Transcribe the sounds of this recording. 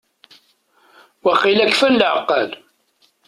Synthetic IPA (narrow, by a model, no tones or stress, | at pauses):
wəχːilækfænlʕəqːɑl